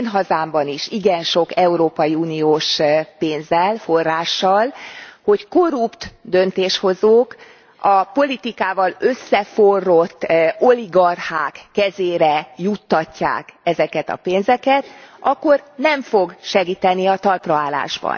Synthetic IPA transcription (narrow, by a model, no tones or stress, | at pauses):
nɦɒzaːmbɒniʃiɡɛnʃo̞kɛuɾoːpɒjiuːnioːʃpeːnzɛlfo̞rːaːʃːɒlho̞cko̞rupt̪d̪ø̞nt̪eːʃho̞zoːk | ɒpo̞lit̪ikaːvɒlø̞sːɛforːo̞t̪ːoliɡɒrhaːkːɛzeːɾɛjut̪ːɒcːa̰ːkɛzɛkɛt̪ɒ̰peːnzɛkɛt̪ʔɒkːo̞rnɛɱfo̞ɡʃɛɡiːt̪ɛniɒt̪ɒlprɒaːla̰ːʒbɒ̰n